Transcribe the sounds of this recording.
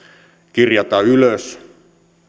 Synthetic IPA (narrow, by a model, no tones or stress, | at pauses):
kirjɑt̪ɑyløs